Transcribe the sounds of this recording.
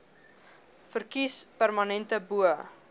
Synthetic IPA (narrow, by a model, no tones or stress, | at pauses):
fərkispærmɐnɛntəbuə